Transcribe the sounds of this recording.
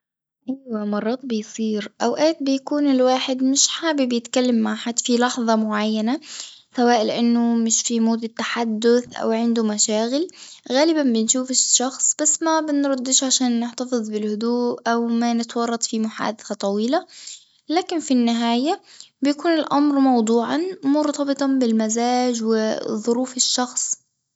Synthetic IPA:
ʔajwamɑrˤːɑːt̪̚ˤbɪjsˤiːɾʔawʔaːt̪̚bɪjakuːnɪlwaːħɪd̪mɪʃħaːbibɪjɪt̪kalːamːaʕħat̪ːfilɑħðˤɑmʊʕajːanasawaːʔlɪʔanːʊmɪʃfimuːd̪ɪt̪ːaħad̪ːʊθʔa̰wʕɪnd̪ʊmaʃaːɣɪl | ɣaːlɪbanbɪnʃuːfɪʃʃɑxsˤb̥asːmabɪnɾˤɑd̪ːɪʃʕaʃaːnːɪħt̪afɨðˤbɪlhʊd̪uːʔʔawmanɪt̪wɑrˤːɑt̪ˤfimʊħa̰ːd̪aθat̪ˤɑwiːla | laːkɪnfinːɪɦaːjabɪjakuːnɪlʔamɾmɑwd̪ˤuːʕɑnmʊɾt̪ɑbɨt̪ˤɑbɪlmazaːd͡ʒwɪðˤʊɾuːfɪʃːɑxsˤ

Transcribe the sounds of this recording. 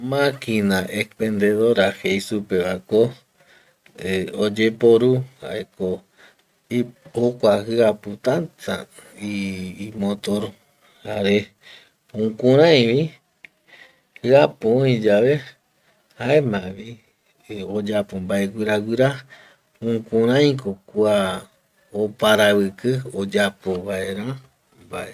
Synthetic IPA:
mãkinaʔekpẽnd̪eðoɾahejsupeβako | od͡ʒe̞poɾuha̰ʔeko | ihokʷaɦɨaput̪ãnt̪aimõt̪oɾo | haɾe | ũkũɾ̃ãj̃βi | hɨapoĩd͡ʒaʋe̞ | haemãβi | od͡ʒapombae̞ɡʷiɾaɡʷiɾa | ũkũɾ̃ãj̃kokua | opaɾaβɨkɨod͡ʒapoβaʔeɾã | mbaʔe

